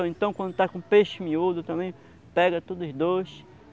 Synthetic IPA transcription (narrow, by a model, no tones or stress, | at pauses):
ɐ̃ẽnt̪ɐ̃w̃kwɐ̃nd̪ʊt̪akõpeʃmiud̪ʊt̪ɐ̃mẽj̃ | pɛɡɐt̪ud̪ʊzd̪oʃ